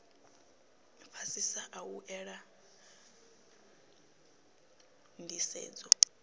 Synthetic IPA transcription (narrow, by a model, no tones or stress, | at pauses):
pʰasisaʔawuʔɛɺa | ndʱisɛ̰ːd͡zɔ